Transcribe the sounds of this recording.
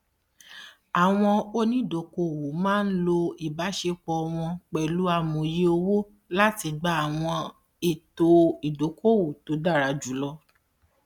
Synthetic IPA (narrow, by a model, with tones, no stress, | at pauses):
a˨w̃ɔ̃˧o˦nĩ˦˨do˨˦ko˦˨wo˨mãː˦˧n̩˦lo˧i˨ba˨˦ʃe˧k͡pɔ˧w̃ɔ̃˧k͡pɛ˨lu˨˦a˧mõ˨je˦o˧wo˦ | la˦ti˧ɡ͡ba˦a˨w̃ɔ̃˧ | e˦˨to˧i˨do˨˦kʰo˦˨wo˨to˨˦da˦˨ɾa˧d͡ʒu˨˦lɔ˦˧